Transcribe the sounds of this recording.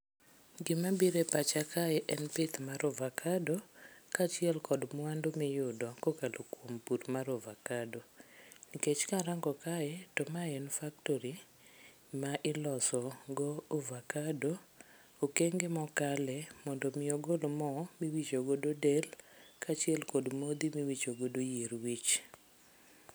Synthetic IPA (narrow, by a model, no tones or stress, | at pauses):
ɡɪmabiɾepat͡ʃakʰaɛʔɛnpet̪maɾovakʰadokat͡ʃɪɛlkɔdmwandomɪjʊdɔkokalokwompuɾmaɾovakadoniket͡ʃkaɾaŋɡɔkaɛtomaɛnfak̚toɾi | maʔɪlɔsɔɡɔːvakado | okeŋɡemɔkalɛmɔndomɪoɡolmɔmiwit͡ʃoɡododelkat͡ʃɛlkɔdmod̪imiwit͡ʃoɡodojiɾwit͡ʃ